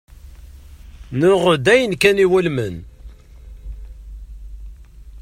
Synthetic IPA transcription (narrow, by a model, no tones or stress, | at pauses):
nʊʁəd̪æjənkæniwælmən